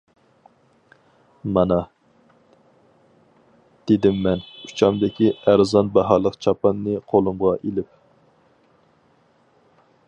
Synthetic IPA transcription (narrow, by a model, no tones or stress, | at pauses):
mɑnɑ | d̪̥ed̪ɪmːɛnu̥t͡ʃʰɑmd̪ɪkʲiæɾzɑnbɑɦɑlˠəqt͡ʃʰɑpɑnːɨqʰolˠumʁɑʔelɪp